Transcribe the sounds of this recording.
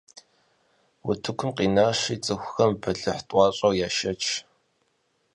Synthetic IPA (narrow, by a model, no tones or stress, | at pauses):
wʊtʰɨkʷʰʊmqiːnaːʂiːt͡sʼɨxʷʊxɐmbɐɮɨħtʼɑːɕʼɐwjaːʃɐt͡ʃʰ